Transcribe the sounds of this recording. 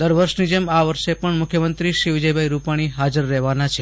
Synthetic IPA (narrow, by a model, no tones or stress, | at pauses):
d̪əɾʋəɾʃnid͡ʒemaʋəɾʃepəɳmʊkʰjəmənt̪ɾiʃɾiʋɪd͡ʒəjbʱaiɾupaɽ̃iɦad͡ʒəɾːɛɦʋanat͡ʃʰe